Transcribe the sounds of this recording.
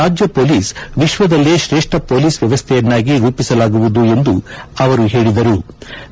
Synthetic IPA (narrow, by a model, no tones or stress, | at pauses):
aːd͡ʒjɐpoːliːsʋiʃʋɐd̪ɐlːeʃɾeːʂʈɾɐpoːliːsʋjɐʋɐst̪ʰɛjɐnːaːɡiɾuːpisɐlaːɡuʋud̪ue̞nd̪uɐʋɐɾuɦe̞ːɭid̪ɐɾu